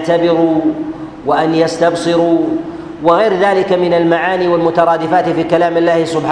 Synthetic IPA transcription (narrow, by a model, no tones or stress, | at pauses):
t̪abɪɾuː | waʔanjast̪ɑbsˤɨɾu | wɪɣajɾðaːlɪkamɪnalmaʕaːniːwalmʊt̪ɑɾˤɑːd̪ɪfaːt̪fiːkalaːmɪlːaːhɪsʊbħ